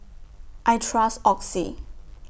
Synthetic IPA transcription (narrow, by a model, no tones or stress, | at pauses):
ʔajtʰɹasɔksḭ